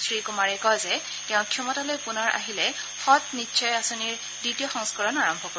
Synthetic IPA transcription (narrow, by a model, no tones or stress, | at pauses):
sɹikʊmaɹɛkɔzɛ | tɛʊ̃kʰjɔmɔtalojpunɔɹʔa̰ɦilɛ | xɔtnitːʃʰɔjasoniɹ | ditijɔxɔ̃ŋskɔɹɔnaɹɔmbʱɔkoɹ